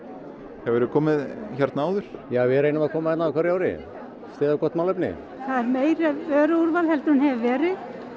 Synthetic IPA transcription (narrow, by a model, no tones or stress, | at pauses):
hɛvɛɾʏkʰɔːmɪðçaɾt̪naaːwðʏɾ̥jaːvɪɾeːjnamaðkʰɔːmaɛt̪nakʰaɾijaːwɾɪ̰ | st̪ɛːðakɔht̪maːlœpnɪ̰ | θaðɛɾmeːjɾɛœːɾʏuɾvalhɛlt̪ɾʏnɦɛvɪvɛːɾɪð